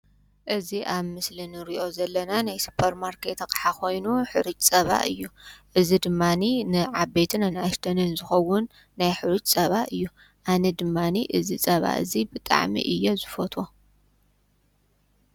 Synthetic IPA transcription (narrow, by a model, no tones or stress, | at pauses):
ʔɨziʔaβmɨslinɨɾiʔo̞zɐlːɐnanajsu̥pʰɐɾmaɾkʰet̪ɐkʼħakʰo̞jnuħɨɾut͡ʃʼsʼɐβa̰ʔɨjːuʔɨzid̪ɨmːaninɨʕabet̪ʰɨnɨnɨaʃt̪ʰɐnɨnzɨxɐwʊnː | ajħɨɾut͡ʃʼsʼɐβaɨjːu | ʔanɐd̪ɨmːaniʔɨzisʼɐβa̰ʔɨ̰zibɨt̪ʼa̰ʕmḭʔɨjːo̞zɨfot̪ʰwo̞